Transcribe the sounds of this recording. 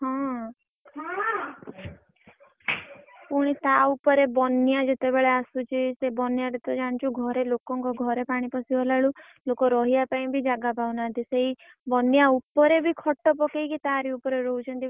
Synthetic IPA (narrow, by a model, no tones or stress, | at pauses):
ɦɔ̃ | puɽ̃it̪aupɔɾebɔnijad͡ʒet̪ebeɭeasut͡ʃʰisebɔnjaʈet̪ɔd͡ʒaɽ̃t͡ʃʰuɡʱɔɾelokɔŋkɔɡʱɔɾepaɽ̃ipɔsibʱɔlaɭu | lokɔɾɔɦiapaĩbʱid͡ʒaɡapawnat̪iseɦi | bɔnjaupɔɾebʱikʰɔʈːɔpɔkejkit̪aɾiupɔɾeɾɔɦut͡ʃʰɔnt̪i